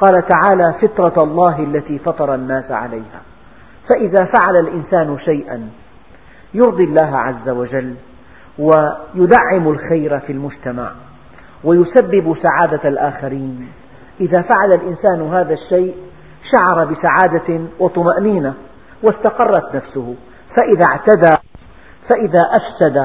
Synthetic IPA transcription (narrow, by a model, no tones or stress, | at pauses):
qɑːlat̪aʕaːlaːfɪt̪ˤɾˤɑɑlˤːɑːɦalːat̪iːfɑt̪ˤɑɾˤɑnːaːsʕa̰lajha̰ː | faʔɪðafaʕalalʔɪnsaːnʃajʔa̰n | jʊɾd̪ˤilːaːɦa̰ʕazːawad͡ʒalː | wajʊd̪aʕːɪmalxajɾafilmʊd͡ʒt̪ama̰ʕ | wajʊsabːɪbsaʕaːd̪alʔaːxaɾiːn | ʔɪðaːfaʕalalʔɪnsaːnɦaːðaʃːajʔ | ʃaʕɑɾˤɑbɪsaʕaːd̪awɑt̪ˤʊmaʔniːna | wast̪ɑqɑrˤːɑt̪nafsʊhʊ | faʔɪðaʕt̪ad̪aː | faʔɪðaːʔafsad̪a